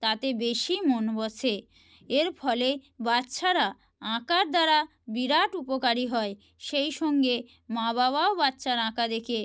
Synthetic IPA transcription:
t̪at̪ebeʃimonbɔt͡ɕʰe | eɾfʰɔlebatːʃʰaɾa | ãkaɾd̪aɾa | biɾaʈupokaɾiɦɔe | ʃejʃɔŋɡe | mãβaβaobatːɕʰaɾãkad̪ekʰe

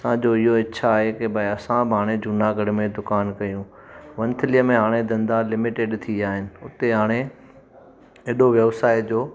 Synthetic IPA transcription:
sãd͡ʑoːɪɦoɪtːɕʰaːɦekebʱɐɐsãbɪɦaːɽ̃ed͡ʑʊnaɡʱɐɽɪmẽd̪ʊkaːnkɐjũ | ʋɐ̃nt̪ʰɪlijəmẽɦaːɽ̃ed̪ɐ̃nd̪alɪmɪʈeɖt̪ʰiaːɦɪnɪ̆ʊt̪eɦaːɽ̃e | eːɗoʋjɐʋsaːid͡ʑoː

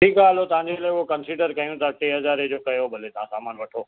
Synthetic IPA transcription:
ʈʰiːkaːlot̪ɐʋ̤ãɲd͡ʑelaːʊɦokɐnsiːɖəɾkɐjũt̪aʈeːɦɐzaːɾed͡ʑoːkɐjobʱɐlet̪ɐãsaːmaːnʋɐʈʰoː

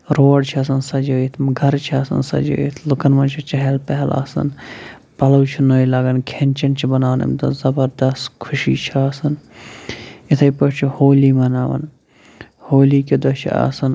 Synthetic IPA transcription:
ɾoːɖt͡ʃʰiɐsɐnsɐd͡ʒəːit̪ʰmɡʱɐɾt͡ʃʰiaːsɐ̰nsɐ̰d͡ʒə̰ːit̪ʰlukɐnmɐnt͡ʃʰit͡ʃɐɦelpɐɦɛlʔa̰ːsɐ̰n | pɐlɐwt͡ʃʰinoːilaːɡɐnkʰenʲt͡ʃɐnt͡ʃʰibɐnaːnɐ̰mt̪ɐzɐbɐɾd̪ɐst̪kʰʊʃḭːt͡ʃʰiaːsɐn | it̪ʰɐjpɐt͡ʃʰihoːliːmɐnaːʋɐ̰n | hoːliːkid̪ot͡ʃʰḭa̰ːsɐn

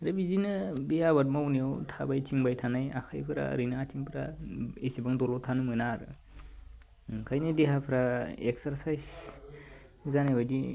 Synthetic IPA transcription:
ɾabizinɯbejabat̚mawnijawtʰabajt͡ʃiŋbajtʰanaja̰kʰajpʰɯɾa̰ɾɯnaːt͡ʃiŋpʰɾa̰esibaŋdɔlɔtʰanɯmɯnaɾɯ | kʰajnɯdeɦapʰɾaeksaɾsajs | zanajbajdi

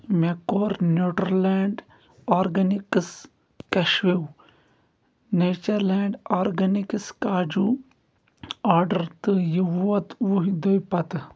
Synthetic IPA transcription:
mekoːɾnoːʈɐɾleːɳɖ | aːɾɡɐnikɨs | kɐʃʋiw | neːt͡ʃɐɾlaːɳɖaːɾɡɐnikɨskaːd͡ʒu | aːɾɖɐɾt̪ɨjiʋuɐt̪ʋuɦid̪ojpɐt̪

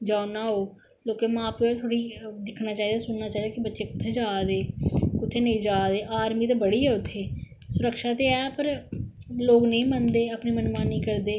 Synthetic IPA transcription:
d͡ʒaːonaːɦoː | loːkemãːpeaːt̪ʰoːɽiːd̪ɪkʰnaːt͡ʃaːɦiːd̪aːsʊnnaːt͡ʃaːid̪aːkɪbətːʃeːkʊt̪ʰeːd͡ʒaːd̪eːkʊt̪ʰeːnəĩːd͡ʒaːd̪eːʔaːɾmiːt̪eːbəɽiːɦɛːʊt̪ʰːeː | sʊɾəkʃaːt̪eːɛːpəɾ | loːɡnəĩːmənd̪eːəpniːmənmaːnĩːkəɾd̪eː

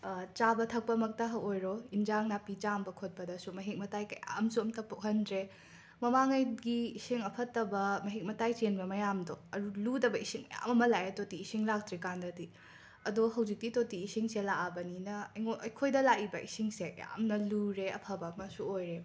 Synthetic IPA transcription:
t͡ʃabɐtʰɐk̚pɐmɐk̚tɐɦɐojɾoind͡ʒaŋnapit͡ʃambɐkʰot̚pɐdɐsumɐɦik̚mɐtajkɐja̰msuɐmtɐpːuɦɐndɾe | mɐmaŋɐjɡiːsiŋɐpʰɐtːɐbɐmɐɦik̚mɐtajt͡ʃenbɐmɐjamdoɐɾuludɐbɐisiŋmɐ̰ja̰mɐmɐlaetotiːsiŋlak̚tɾikandɐdi | ɐdoɦɐwzik̚titotiːsiŋselaʔabɐninɐŋoɐjkʰojdɐlaʔibɐʔisiŋsekɐ̰ja̰mnɐluɾeɐ̰pʰɐbɐmɐsuojɾe

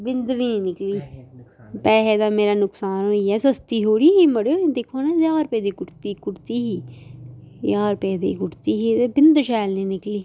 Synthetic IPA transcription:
bɪnd̪ʋiːneːnɪkliː | pɛːɦeːd̪aːmeːɾaːnʊksaːnɦoːiːɛːsəst̪iːɦoːɽiːɦiːməɽeõːd̪ekʰːoːnɛ̃ːzaːɾpɛːd̪iːkʊʈt̪iːkʊʈt̪iːɦiː | jaːɾpɛːd̪ḛːkʊʈt̪iːɦiːt̪eːbɪnd̪ʃɛːlneːnɪkliː

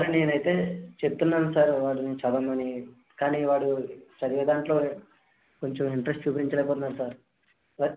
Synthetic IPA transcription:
saɾune̞ːnɐjt̪e̞ːt͡ʃep̚t̪unːaːnusaːɾʋaːɽunit͡ʃɐd̪ɐmɐni | kaːniːʋaːɽut͡ʃɐd̪iʋɛd̪aːɳʈlo̞ː | ko̞ɲt͡ʃomiɳʈɐɾesʈt͡ʃuːpɐɾiɲt͡ʃɐlɛjp̬ɔːt̪unːaːɾusaːɾ | ɐ

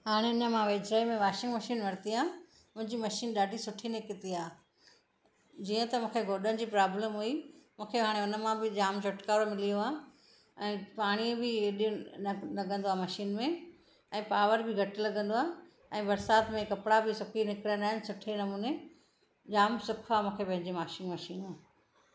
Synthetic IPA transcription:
ɦaːɽ̃eɪnə̆mãʋeːd͡ʑɾaimẽʋaːʃɪ̃ŋɡmɐʃiːnʋɐɾ̃t̪iaː | mʊ̃ɦɪ̃ɲd͡ʑiːmɐʃiːnɗaːɖʱisʊʈʰinɪkɪt̪iaː | d͡ʑiːə̃t̪ɐmũːkʰeɡʱoːɗənɪ̆d͡ʑiːpɾaːbləmɦuimũːkʰeɦaːɽ̃eʊnəmãbɪd͡ʑaːmt͡ɕʰʊʈkaːɾomɪlijoaː | ɛ̃ːpaːɽ̃ibɪeːɗʊlɐɡə̃nd̪oaːmɐʃiːnmẽ | ɛ̃ːpaːʋəɾbɪɡʱɐʈ̆lɐɠə̃nd̪oaː | ɛ̃ːbɐɾsaːt̪mẽkɐpɽabɪsʊkʰinɪkɪɽijə̃nd̪aːɪnɪ̆sʊʈʰenɐmuːne | d͡ʑaːmsʊkʰaːmũːkʰepɐ̃ɦɪ̃ɲd͡ʑemaːʃiːnmɐʃiːnaː

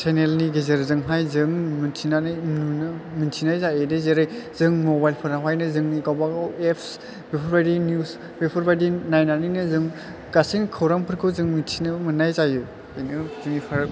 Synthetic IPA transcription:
sʰenelniɡezeɾzɯŋɦajzɯŋmɯntʰinanɯjnunɯmintʰinajzaedezeɾɯjz̥ɯŋmobajlpʰɯɾaɦwajnɯzɯŋikawbaɡwepʰs | bepʰɔɾbajdinjus | bepʰɔɾbajdinajnaninɯzɯŋ | kasinkʰɯwɾaŋpʰɯɾkʰɯwzɯŋmintʰinɯmɯnːajzajɯ | ɯjnɯzɯŋipʰaɾa

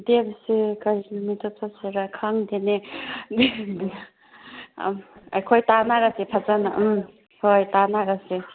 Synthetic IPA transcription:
debsikaɾimitʰotʰaseɾakʰaŋdened | ajkʰojtanaɾasepʰazanaʔ | hojtanaɾase

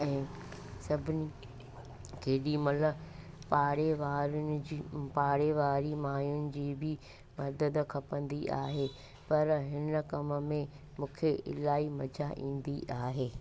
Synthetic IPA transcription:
ɛ̃ːsɐbʱɪni | keːɗimɐt̪ləb | paːɽeʋaːɾʊnɪd͡ʑipaːɽeʋaːɾimaːjʊnɪ̆d͡ʑiːbʱɪ | mɐɾd̪əd̪kʰɐpə̃nd̪iʔa̰ːɦe | pɐɾɦɪnəkɐmə̆mẽ | mũːkʰeʔɪ̰laːimɐd͡ʑaʔḭ̃ːn̆d̪iʔaːɦeː

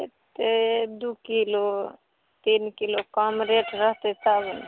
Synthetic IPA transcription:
et̪ed̪ukilo | t̪iːnkilokamɾeːʈɾəɦt̪esabən

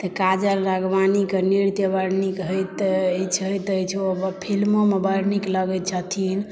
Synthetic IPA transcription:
t̪əkad͡ʒəlɾəɡʋanikeniɾt̪jebəɾnikɦəjt̪ːt͡ʃʰəjt̪əjt͡ʃʰobpʰilmomebəɾnikləɡɛt̪̚t͡ʃʰat̪ʰin

